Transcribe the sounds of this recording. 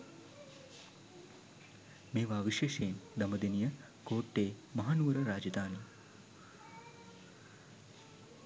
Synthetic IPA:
meːʋaːʋiʃeːʃeːmd̪ɐmɐd̪inijɐ | koːʈːeːmɐɦaːnuːɾɐɾaːd͡ʒɐd̪aːni

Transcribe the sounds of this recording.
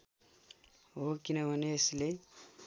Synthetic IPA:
ɦokinʌbʱʌneːsle

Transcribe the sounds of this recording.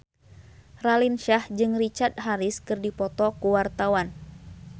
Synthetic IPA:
ralinʃahd͡ʒɨŋrit͡ʃart̪̚ɦaɾiskɨrdipɔt̪ɔkuwart̪awan

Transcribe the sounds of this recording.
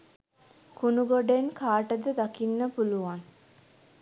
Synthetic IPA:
kunuɡoɖenkʰaːʈəd̪əd̪akinːəpuluʋaŋ

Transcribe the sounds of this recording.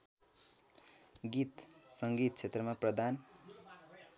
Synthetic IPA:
ɡit̪sʌŋɡit̪̚t͡sʰet̪rʌmaprʌd̪an

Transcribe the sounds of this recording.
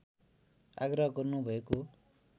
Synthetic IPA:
a̰ɡrʌɦʌɡʌrnubʱʌeko

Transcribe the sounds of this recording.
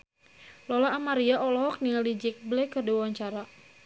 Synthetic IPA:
lɔlaʔːmaɾiaʔɔlɔɦɔk̚niŋalid͡ʒɛk̚blɛkərdiwwaɲt͡ʃaɾa

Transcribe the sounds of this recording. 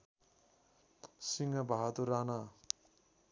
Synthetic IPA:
siŋabʱaɦat̪uɾana

